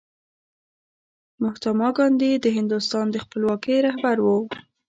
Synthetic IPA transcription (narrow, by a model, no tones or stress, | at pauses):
mʊht̪amɑɡɑnd̪id̪əɦɪnd̪ʊst̪ɑnd̪əxpəlwɑkəjɾahbaɾwə